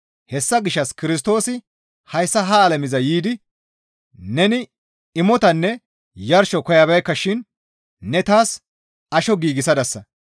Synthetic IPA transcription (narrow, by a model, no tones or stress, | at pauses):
hɛsːɐɡɪʃːɐskɪɾɪs̬t̪o̞ːsɪ | hɐjsːɐɦɐːlɐmɪzɐjiːd̪ɪ | nɛnɪ | ɪmɔt̪ɐnːɛ | jɐɾʃɔkɔjɐbɐjkːɐʃɪnː | ɛt̪aːs | ɐʃɔɡiːɡɪsɐd̪ɐsːɐ